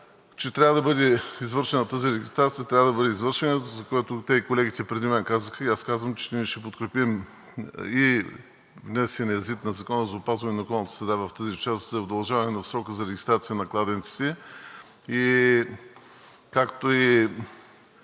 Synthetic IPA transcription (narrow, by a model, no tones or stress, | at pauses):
t͡ʃɛt̪ɾʲavəd̪ɐbɤd̪ɛizvɤɾʃɛnɐt̪aziɾɛɡʲist̪ɾat̪sijət̪ɾʲavəd̪ɐbəd̪ɛizvɤɾʃɛnɛt̪zɐkoɛt̪ot̪ɛikolɛɡit̪ɛpɾɛd̪imɛnkazəxəiaskazvəmt͡ʃɛ̥t̪nʲiʃɛpot̪kɾɛpim | i | vnɛsɛnɛzit̪nɐzɐkɔnəzɐʊpazvɐnɛnɐʊkɔlˠnət̪əsɾɛd̪avɐft̪əzit͡ʃast̪zɐʊd̪ɐlˠʒavɐnɛnɐsɾɔkəzɐɾɛɡʲist̪ɾat̪sijənɐklˠad̪ɛnt̪si̥t̪ɛ | i | kakt̪oi